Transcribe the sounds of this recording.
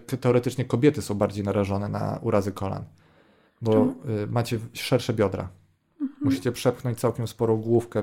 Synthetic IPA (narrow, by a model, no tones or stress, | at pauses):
kt̪ɛɔɾɛt̪ɘt͡ʂɲɛkɔbʲjɛt̪ɘsɔ̃w̃baɾd͡ʑejnaɾaʐɔnɛna̰uɾazɘkɔla̰n | bɔmat͡ɕɛʂɛɾʂɛbʲjɔd̪ɾa̰ | muɕit͡ɕɛpʂɛpxnɔɲt͡ɕt̪sawkʲɛmspɔɾɔ̃w̃ɡwufkɛ